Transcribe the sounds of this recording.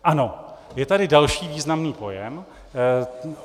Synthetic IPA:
ʔano̞jɛt̪adɪdalʃiːviːznamniːpo̞jɛm

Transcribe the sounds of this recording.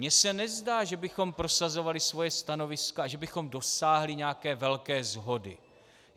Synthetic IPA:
ɲɛsɛnɛzdaːʒɛbɪxo̞mpɾo̞sazo̞valɪsvo̞jɛst̪ano̞vɪskaaʒɛbɪxo̞mdo̞saːɦlɪɲɛakɛːvɛlkɛːzɦo̞dɪ̰

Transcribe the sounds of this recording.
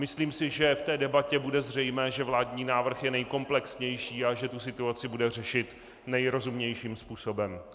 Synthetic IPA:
mɪsliːmsɪʒɛft̪ɛːdɛbacɛbudɛzr̝ɛjmɛːʒɛvlaːdɲiːnaːvr̩xjɛnɛjko̞mplɛksɲɛjʃiːaʒɛt̪usɪt̪uat͡sɪbudɛr̝ɛʃɪt̪ | nɛjɾo̞zumɲɛjʃiːmspuːso̞bɛm

